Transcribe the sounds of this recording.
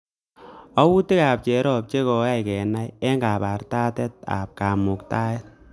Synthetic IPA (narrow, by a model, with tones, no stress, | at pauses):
ɔ˦wu˦ti˦ka˨p̚t͡ʃɛ˨ɾɔ˦˨p̚t͡ʃe˦kɔ˨a˦jkɛ˨na˦jɛ˦ŋɡa˨pa˨rta˦tɛ˦t̚a̰˨p̚ka˨mʊ˨kta˦ɛ˦t̚